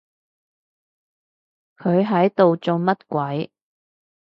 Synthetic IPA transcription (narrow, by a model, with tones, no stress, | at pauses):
kʰɵ˨˧ɥɦɐ˨˥jt̪o˨wt͡sʊ˧ŋmɐ˥t̚kʷɐ˨˥j